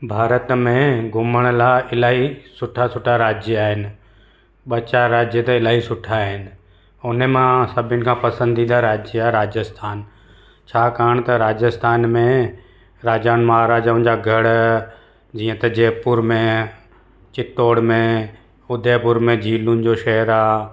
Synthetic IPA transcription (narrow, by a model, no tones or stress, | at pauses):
bʱaːɾət̪mẽɡʱʊməɽ̃laːɪlaːɦisʊʈʰasʊʈʰaɾaːd͡ʒjaːɦɪnɪ̆ | ɓɐt͡ɕaɾaːd͡ʑjət̪ɐɪlaːɦisʊʈʰaːɦɪnɪ̆ | ʊnəmãsɐbʱɪʊnɪ̆kʰãːpɐsə̃nd̪id̪aɾaːd͡ʑaɾaːd͡ʑəst̪ʰaːn | t͡ɕʰaːkaːəɽ̃t̪ɐɾaːd͡ʑəst̪ʰaːnmẽ | ɾaːd͡ʑaːnmaɦaɾaːd͡ʒaʊ̃nd͡ʑaːɡʱɐɽ | d͡ʑiːə̃t̪ɐd͡ʑeːpʊɾmẽ | t͡ɕɪt̪oːɽmẽ | ʊd̪ʱeːpʊɾmẽd͡ʑʱiːlʊnɪ̆d͡ʑoʃɐɦəɾaː